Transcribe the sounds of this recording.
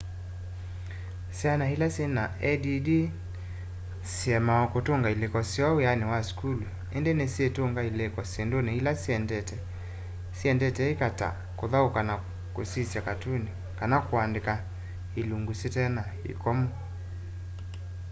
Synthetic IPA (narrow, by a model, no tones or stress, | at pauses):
sianahilasinaʔɛdidi | siɛmaɔkutuŋɡailikɔsiawijaniwaskulu | ɛndɛnɛsiɛtuŋɡailɛkɔsindonihilasiɛndɛtɛ | siɛndɛtɛikata̰ | kuðaukana | kusisakatuni | kanakuandika | iluŋɡusitɛna | ḭkɔmu